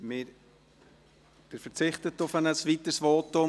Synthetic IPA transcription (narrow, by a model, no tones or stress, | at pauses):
mɪɾ | d̥əɾfəɾt͡sɪχtətːʊfənəsvit̪əsvoːtʊ